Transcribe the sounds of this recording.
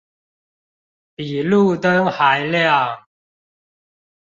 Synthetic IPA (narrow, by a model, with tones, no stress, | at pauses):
pi˨˩lu˥˨t̪ə˦ŋxa˨˦ɪljɑ˥˨ŋ